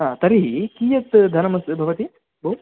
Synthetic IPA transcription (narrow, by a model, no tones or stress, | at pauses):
ɦãt̪ɐɾikiːjɐt̪d̪ʱɐnɐmɐsbʱɐʋɐt̪i | bo